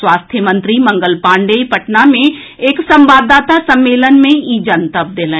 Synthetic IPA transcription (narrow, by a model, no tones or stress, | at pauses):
swaːst̪ʰjəmə̃nt̪ɾimə̃ŋɡəlpãːɳɖeːipəʈnamẽ | eːksə̃mbaːd̪aːt̪asə̃mːeːlənmẽiːd͡ʒənt̪əp̚d̪elẽː